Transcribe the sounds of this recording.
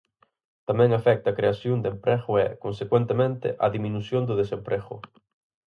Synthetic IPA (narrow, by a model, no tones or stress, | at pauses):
t̪amɛ̃ŋafɛk̚t̪ɐːkɾeasjond̪empɾɛɣʊɛkonsekwent̪emẽnt̪ɪ̰ʔɐðimĩnusjond̪ʊðesempɾɛɣʊ̰